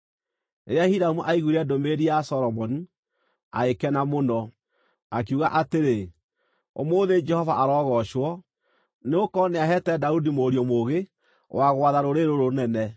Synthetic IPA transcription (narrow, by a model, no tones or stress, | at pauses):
eɾeahiɾamuʔaiɣuɾɛdomeɾiasɔɾɔmɔni | a̰ekɛnamonɔ | ak̬iuɣaʔateɾe | o̰moːðed͡ʒɛhɔvaʔaɾɔɣɔʃwɔ | neokɔneaɦɛtɛdaudimoːɾjɔmoɣe | waɣwaðaɾoɾeɾoɾonɛnɛ